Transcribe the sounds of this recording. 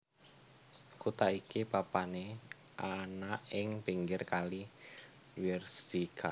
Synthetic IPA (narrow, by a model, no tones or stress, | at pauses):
kut̪aikipapane | ʔanaʔɪŋb̥i̤ŋɡɪrkali | wirsikʰa̰